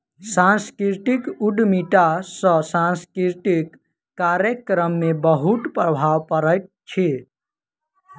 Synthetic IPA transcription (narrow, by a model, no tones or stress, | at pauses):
sãnskɾit̪ikuɖmiʈasə̃sãnskɾiʈ̪ikː | aɾjəkɾəmːebəɦut̪pɾəbʱawpəɾəjt̪̚ | t͡ʃʰi